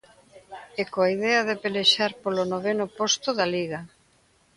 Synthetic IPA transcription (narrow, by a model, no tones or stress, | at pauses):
ekoaiðeaðepeleʃaɾpolonoβenʊpost̪ʊðaliɣa